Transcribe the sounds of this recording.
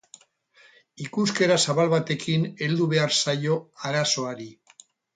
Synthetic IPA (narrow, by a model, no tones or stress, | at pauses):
ikuske̞ɾasaβalβat̪e̞kʰine̞ld̪uβe̞aɾsajo̞aɾaso̞aɾi